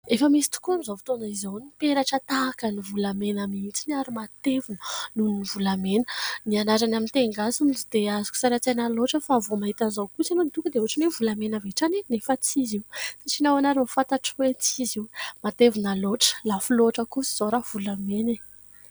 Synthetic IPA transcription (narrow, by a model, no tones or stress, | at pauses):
efəmisi̥t̪u̥kunzovit̪onaizawnipeɾaʈ͡ʂət̪akənivulamenamint͡sinaɾimat̪evunənuninivulamenənianaɾanamint̪eŋɡasumid͡ʒid̪̥eazu̥ku̥saɾat͡senaloʈ͡ʂəfavomaɦit̪anzowkusanonit̪ukəd̪eoʈ͡ʂinevulamenəveʈ͡ʂaninefat͡siziwsaʈ͡ʂinawanaɾimfant̪aʈ͡ʂwet͡siziwmat̪evunaloʈ͡ʂə̥lafuloʈ͡ʂəkusi̥z̥oɾav̥ulamene